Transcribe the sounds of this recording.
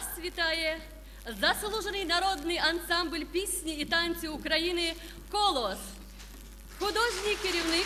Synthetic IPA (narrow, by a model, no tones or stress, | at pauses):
svʲɪt̪aje | zɐslˠuʐɨnɨjnɐɾo̞d̪nɨjɐnsamblʲpʲisʲnʲɪːt̪anʲt͡sʲɪʊkɾɐinɨ | kolˠos | xʊd̪oʐnʲɪkʲɪɾʲɪvnɨ